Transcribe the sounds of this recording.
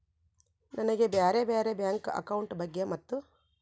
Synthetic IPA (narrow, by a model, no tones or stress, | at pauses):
nʔɐnɐɡebeːɾebeːɾebjaːŋkɐ̰kɐwuɳʈbɐɡːemɐt̪ːu